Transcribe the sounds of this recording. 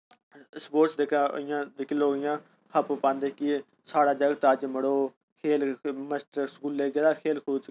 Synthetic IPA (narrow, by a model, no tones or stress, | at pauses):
spoːɾsd̪eːkʰa̰ːɪjãːd̪ekeloːɡɪjãː | hʰəpopãːnd̪eːki | saːɽaːd͡ʒəɡt̪əːd͡ʒməɽoː | kʰeːlməsʈskuːlːeːɡeːd̪aːkʰeːlkʰoːt͡ʃ